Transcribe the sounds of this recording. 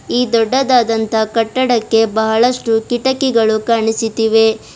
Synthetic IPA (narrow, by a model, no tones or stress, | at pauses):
iːd̪ɔɖːɐd̪aːd̪ɐnt̪ɐkɐʈːɐɽɐkːe̞bɐɦɐɭɐʂʈukiʈɐkiɡɐɭukaːɳisit̪iʋe̞